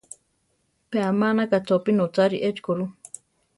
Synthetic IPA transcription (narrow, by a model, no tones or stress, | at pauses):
peamanakat͡sopinot͡saɾiʔet͡ʃkoɾu